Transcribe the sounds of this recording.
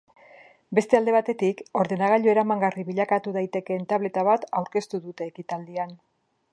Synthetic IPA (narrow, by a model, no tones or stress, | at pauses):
be̞st̪e̞ald̪e̞β̞at̪e̞t̪iko̞ɾðe̞naɣ̞aʎo̞e̞ɾamaŋɡariβiʎakat̪uðajt̪e̞ke̞nt̪aβle̞t̪aβat̪awɾke̞st̪uðut̪e̞ːkit̪ald̪ian